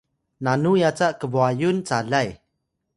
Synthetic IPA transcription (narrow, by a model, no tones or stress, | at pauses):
nanujat͡saʔkəbuajunt͡salaj